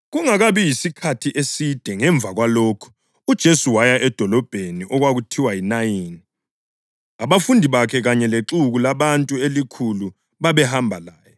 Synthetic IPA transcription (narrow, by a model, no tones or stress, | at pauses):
ɣuŋaɣaβijisikʰatʰiʔesid̥ʱɛŋɛɱb̪vʱaɣwaloːkʰu̥ | ud̥ʒ̥ʱesuwajaʔɛd̥ʱɔlɔb̥ʱeniʔɔɣwaɣutʰiwajinajiːni | aβafundʱiβakʰɛɣaɲɛleǁuɣulaβantʼuelikʰulu | βaβɛhambʱalaːjɔ